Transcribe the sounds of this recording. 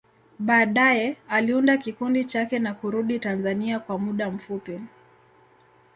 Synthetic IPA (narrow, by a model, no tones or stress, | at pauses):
ɓaːɗajɛaliundakikundit͡ʃakɛnakuɾuɗitanzaniakwamuɗam̩fupi